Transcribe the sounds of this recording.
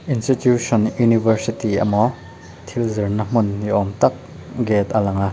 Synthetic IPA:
ʔinstitjusɔnjunibɐɾsit̪iɐ̰mɔ | t̪ʰilzɐrnɐm̥unːiʔɔmt̪ɐk̚ | ɡɛt̪ɐlɐŋa

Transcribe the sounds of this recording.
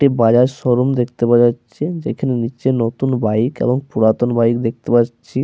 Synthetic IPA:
ʈibad͡ʑaɾʃɔɾomd̪ekʰt̪epaaɕʰed͡ʑḛkʰanenit͡ɕenot̪unbaikḛboŋpuɾat̪onbaikd̪ek̚t̪epaɕʰi

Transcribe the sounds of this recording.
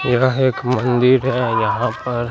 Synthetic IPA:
jɐeːkmɐ̃nd̪ɪɾɦɛjɐɦãpɐɾ

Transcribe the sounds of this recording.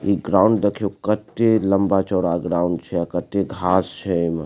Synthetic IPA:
iɡɾaːʊ̃ɳɖd̪ekʰijokət̪elɐmbat͡ʃɔːɽaɡɾaːʊɳɖt͡ʃʰɛakət̪eɡʱaːst͡ʃʰɛm

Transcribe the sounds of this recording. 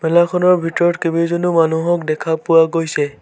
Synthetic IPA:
mɛlakʰɔnɔɹbʱitɔɹɔtkebizɔnumanuɦɔkdɛkʰapʊwaɡojsɛ

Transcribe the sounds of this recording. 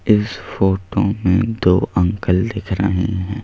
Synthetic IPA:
ɪsfoːʈõmẽd̪oːʔɐ̃ŋkəld̪ɪkʰɾə̰ɦẽɦɛ̃ː

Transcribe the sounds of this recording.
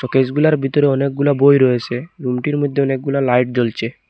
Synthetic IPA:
ʃɔked͡ʑɡulaɾbʱit̪oɾeɔnek̚ɡulabojɾojet͡ɕʰeɾumʈiɾmod̪ʱːeɔnek̚ɡulalajʈ̚d͡ʑolt͡ɕʰe

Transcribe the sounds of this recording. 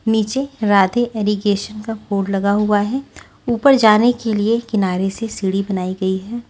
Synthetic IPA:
niːt͡ʃeɾaːd̪eʔɛːɾiɡeːʃənkapoːɖlɐɡaɦʊaɦɛː | uːpəɾd͡ʒaːnekeliekɪnaːɾesesiɽibɐnaːiɡɐiɦɛː

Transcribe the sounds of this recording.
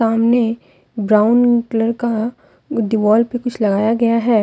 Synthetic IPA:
aːmne | bɾaːʊnkləɾka | ɖɪʋɔːlpekʊt͡ʃʰlɐɡaːjaɡɐjaɦɛː

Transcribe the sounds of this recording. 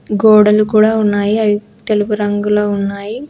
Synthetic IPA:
ɡoːɽɐlukuːɽaːunːaːjiɐi | t̪eluɡuɾɐŋɡuloːunːaːji

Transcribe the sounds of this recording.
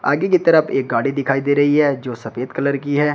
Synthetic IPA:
a̰ːɡekit̪ɐɾəfeːk̚ɡaːɽid̪ɪkʰaːid̪eːɾɐɦiɦɛːd͡ʒoːsɐfeːd̪kɐləɾkiɦɛː

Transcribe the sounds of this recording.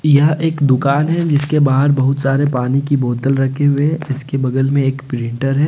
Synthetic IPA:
jɐɦeːkd̪ʊkaːnɦɛd͡ʒɪskebaːɦəɾbɐɦʊt̪saːɾepaːnikiboːd̪əlɾɐkʰeɦʊẽɪskebɐɡ̪əlmẽeːkpɾɪ̃ɳʈəɾɦɛː

